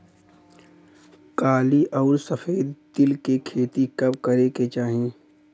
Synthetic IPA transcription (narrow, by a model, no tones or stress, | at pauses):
kaːliʔɔːɾsəfʰeːd̪t̪ɪlkekʰeːt̪ikɐbkəɾeket͡ʃaːɦẽː